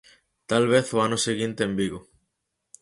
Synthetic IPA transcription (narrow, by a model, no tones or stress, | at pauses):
t̪alβ̞eθoanoseɣint̪eembiɣo